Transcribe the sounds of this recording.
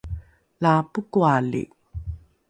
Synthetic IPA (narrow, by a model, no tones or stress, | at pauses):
lapukualḭ